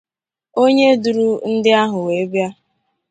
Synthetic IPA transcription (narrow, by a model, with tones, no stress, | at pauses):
o˦ɲe˦du˨ɾu˦n̩˦dɪ˦a˦ɦʊ˨we˨˦bja˦